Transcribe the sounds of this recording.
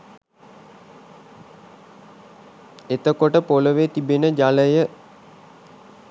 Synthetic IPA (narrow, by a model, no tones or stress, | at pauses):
et̪əkoʈəpoləʋet̪ibenəd͡ʒaləjə